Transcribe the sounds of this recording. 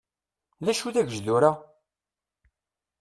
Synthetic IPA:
ðæʃuðæʝʒd̪uɾa

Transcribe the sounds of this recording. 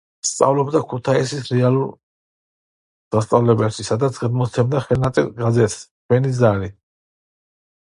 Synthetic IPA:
st̪sʼa̰vlɔbd̪akʰut̪ʰaisisɾɛalˠuɾ | d̪̥ast̪sʼavlɛbɛpʃisad̪at̪sʰɡad̪mɔsʰɛmd̪aχɛlnat̪sʼḭlɡazɛt̪ʰst͡ʃʰwɛnizaɾi

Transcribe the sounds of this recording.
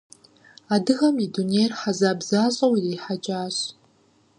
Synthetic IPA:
adɨɣɐmidunejrħazaːbzaːɕʼɐwiriːħat͡ʃʼaːɕ

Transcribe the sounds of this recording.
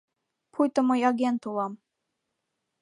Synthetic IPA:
pʰujt̪ə̆mɤjɑɡʲent̪ulɑm

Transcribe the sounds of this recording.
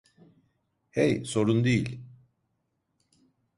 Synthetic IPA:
hejso̞ɾund̪ejilʲ

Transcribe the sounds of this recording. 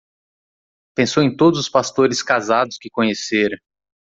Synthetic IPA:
pẽsowẽj̃t̪od̪ʊzʊspast̪oɾɪskazad̪ʊskɪkõɲeseɾɐ̃

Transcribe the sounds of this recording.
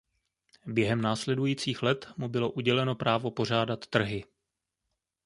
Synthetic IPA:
bjɛɦɛmnaːslɛdujiːt͡siːxlɛt̪mubɪlo̞ʔuɟɛlɛno̞pɾaːvo̞po̞r̝aːdat̪ːr̩ɦɪ

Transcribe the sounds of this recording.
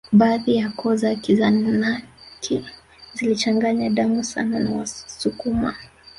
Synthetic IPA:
ɓaːðijakʰɔzakizanakʰi | zilit͡ʃaŋɡaɲaɗamusa̰nanawasukuma̰

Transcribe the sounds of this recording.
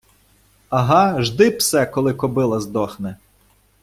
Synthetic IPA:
ɐɦɑʒd̪ɪpsɛkɔlˠɪkɔbɪlˠɐzd̪ɔxnɪ

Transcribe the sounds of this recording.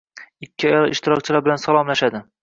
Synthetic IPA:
ɪkʲʰːɪɒjɒlˠɪʃt̪ɪɾɒk̚ʲt͡ʃʰɪlaɾbɪlansalˠɒmlaʃad̪ɪ

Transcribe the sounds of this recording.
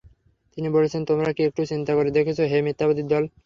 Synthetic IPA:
t̪inibolet͡ɕʰent̪omɾakiek̚ʈut͡ɕint̪akoɾed̪ekʰet͡ɕʰoɦemit̪ːabod̪id̪ɔl

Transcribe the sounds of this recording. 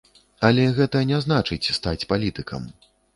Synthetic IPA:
ɐlʲɛɣɛt̪ɐnʲɛznat͡ʂɨt͡sʲst̪at͡sʲpalʲit̪ɨkʰɐ̰m

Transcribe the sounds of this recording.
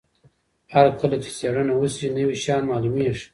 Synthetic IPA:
haɾkəlat͡ʃi̥seɽənawusinəwiɕɑːnmɑːlumiʂ

